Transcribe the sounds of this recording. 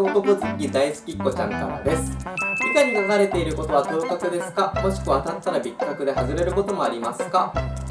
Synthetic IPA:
ok̪okɯzɨkʲid̪aisɨ̥kʲikːo̞t͡ɕã̰ŋka̰ɾa̰d̪e̞sɨ̥ik̪aɲ̟inaɡaɾe̞t̪e̞iɾɯ̟ko̞t̪o̞βat̪o̞ːkakɯ̟d̪e̞sɨ̥kamo̞ɕi̥kɯ̟βat̪at̪ːaɾabʲikːakɯ̟d̪e̞haʑɨɾe̞ɾɯ̟ko̞t̪o̞mo̞aɾʲimasɨ̥ka

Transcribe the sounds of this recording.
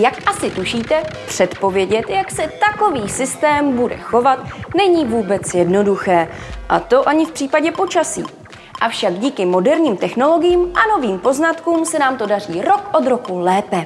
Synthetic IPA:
jakʔasɪt̪uʃiːt̪ɛpr̥ɛt̪po̞vjɛɟɛt̪jaksɛt̪ako̞viːsɪst̪ɛːmbudɛ̰xo̞vat̪nɛɲiːvuːbɛt͡sjɛdno̞duxɛː | ʔat̪o̞ʔaɲɪfpr̥iːpaɟɛpo̞t͡ʃasḭː | ʔafʃaɡɟiːkɪmo̞dɛɾɲiːmt̪ɛxno̞lo̞ɡɪjiːmʔano̞viːmpo̞znat̪kuːmsɛnaːmt̪o̞dar̝iːɾo̞kʔo̞d̪ɾo̞kulɛːpɛ

